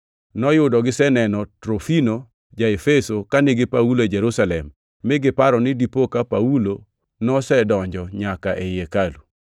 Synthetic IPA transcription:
nɔjʊdɔɡɪsɛnɛnɔtɾofino | d͡ʒaefesokanɪɡɪpaulod͡ʒɛɾusalɛmː | ɪɡɪpaɾɔnɪdipokapaulo | nɔsɛdɔɲd͡ʒɔɲakaʔejekalu

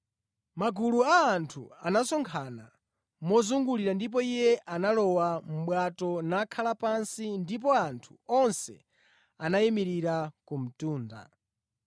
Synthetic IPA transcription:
maɡuluaːntʰṵanasɔŋkʰana̰ | mɔzuŋɡuliɾandip̬ɔijɛʔanalɔwam̩ɓwatɔnakʰalapansindip̬ɔantʰu̥ɔnsɛ̰ | anajimiɾiɾakum̩tuːnda̰

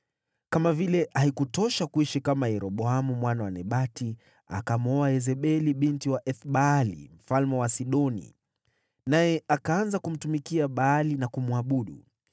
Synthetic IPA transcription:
kamavilɛʔaikutɔʃakuiʃikamajɛɾɔɓɔamumwanawanɛɓati | a̰kamɔaɛzɛɓɛliɓintiwaʔɛθɓalḭm̩falmɛwasiɗɔnḭ | najɛʔakaanzakum̩tumikiaɓaːlinakumuaɓuɗṵ

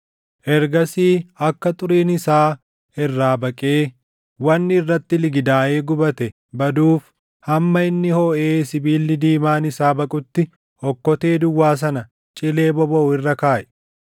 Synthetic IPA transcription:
ʔɛɾɡɐsiːɐkːɐt̪ʼʊɾiːnɪsaː | ɪrːaːbɐkʼeː | wɐnːɪɪrːɐt̪ːɪlɪɡɪd̪aːʔeːɡʊbɐt̪ɛ | bɐd̪uːf | hɐmːɐɪnːɪhɔːʔeːsɪbiːlːɪd̪iːmaːnɪsaːbɐkʼʊt̪ːɪ | ɔkːɔt̪eːd̪ʊwːaːs̬ɐnɐ | t͡ʃʼɪle̞ːbɔbɐʊɪrːɐkaːʔɛ̥

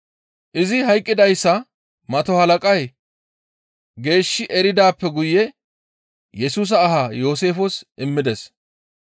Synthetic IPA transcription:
ʔɪzɪɦɐjkʼːɪd̪ɐjsːɐ | mɐt̪ɔhɐlɐkʼɐj | ɡe̞ːʃːɪʔɛɾɪd̪aːpːɛɡʊjːɛ | jɛsuːs̬ɐːɦajoːs̬e̞ːfɔsʔɪmːɪd̪ɛs

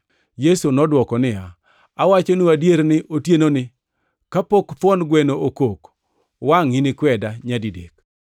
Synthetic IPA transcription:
jesunɔdwɔkɔnɪja | awat͡ʃonuadjeɾnɪʔotjenonɪ | kapokpwɔnɡwɛnookok | waŋinɪkwɛdaɲadidek̚

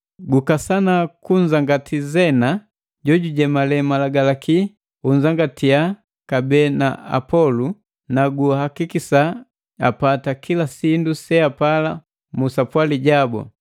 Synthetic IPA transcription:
ɡukasanakuɲd͡ʒaŋɡatʰizɛna | ɟɔɟuɟɛmalɛmalaɡalaki | uɲzaŋɡatia | kabɛnaa̰pɔlu | naɡuhakikisa | apatakilasindusɛapala | musapwaliɟabɔ̰

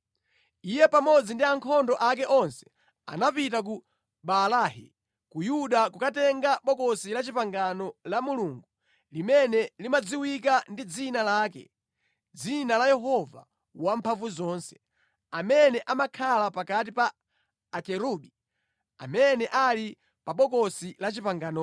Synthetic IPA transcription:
ijɛpamɔd͡zindiaŋkʰɔndɔʔakɛʔɔnsɛ̥ | a̰napitak̬u | ɓalaːhḭ | kujuɗakukatɛŋɡaɓɔkɔsilat͡ʃipaŋɡanɔlamuluːŋɡu | limɛnɛlimad͡ziwikandid͡zinalaːk̬ɛ̰ | d͡zinalajɛɦɔva̰ | wampʰaɱvuzɔːnsɛ̥ | amɛnɛʔamakʰalapakat̬ipaː | kɛɾuɗi | a̰mɛnɛʔali | paɓɔkɔsilat͡ʃipaŋɡanɔ

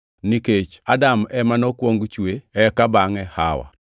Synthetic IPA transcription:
niket͡ʃadamɛmanokwoŋɡt͡ʃweɛkabaŋɛha̰wa̰

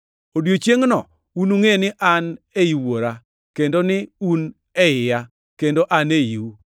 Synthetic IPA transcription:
odjot͡ʃjeŋnɔ̰ | unuŋenɪʔan | eiwoɾa | kendonɪun | ɛɪja | kendoʔaneiwu

